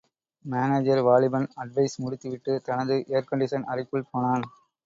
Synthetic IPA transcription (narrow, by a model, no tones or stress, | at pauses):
maːneːd͡ʒɐɾʋaːɭɪbɐnɐɖʋɐɪsmʊɽʊt̪ːɯʋɪʈːɯt̪ɐnɐðɯʔejɐɾkɐɳɖɪʂɐnɐrɪpːɯɭpoːnaːn